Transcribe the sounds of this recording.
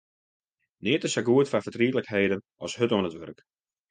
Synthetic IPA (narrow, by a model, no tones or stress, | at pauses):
nɪːtəsaɡuətfafərtriətləkheːdənʔɔshøtoənətʋø̰rk